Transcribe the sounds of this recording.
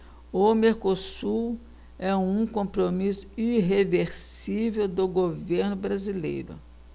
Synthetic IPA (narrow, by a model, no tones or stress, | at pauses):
ʊmeɾkosuɾ | ɛũkõpɾomisʊ̥iɦeveɾsivewd̪ʊɡoveɾnʊbɾazilḛjɾʊ̰